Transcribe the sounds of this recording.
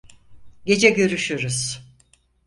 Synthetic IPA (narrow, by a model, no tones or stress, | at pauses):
ɟe̞d͡ʒɛɟø̞ɾyʃyɾuz̥